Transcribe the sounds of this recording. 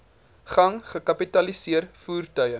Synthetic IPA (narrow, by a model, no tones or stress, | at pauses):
χɐŋχəkɐpitɐlisiərfuːrtœɥjə